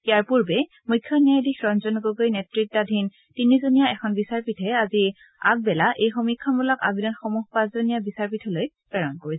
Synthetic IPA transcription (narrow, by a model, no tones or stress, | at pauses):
ijaɹpuɹbɛ | mujkʰːɔnijajdixɹɔnzɔnɡoɡojnɛtɹitːadʱin | tinizonijaɛkʰɔnbisaɹpitʰɛazi | aɡ̚bɛlaʔejxomikʰːɔnbɔlaka̰bʱidɔnxomuɦpãszonijabisaɹp̬itʰɔloj | pɹɛɹɔnkoɹisɛ